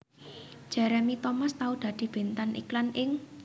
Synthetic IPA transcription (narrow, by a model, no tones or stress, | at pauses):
ʒ̥ɛ̤ɾɛmit̪omast̪aud̪̥ä̤d̪̥i̤b̥e̤nt̪anʔḭklanɪŋ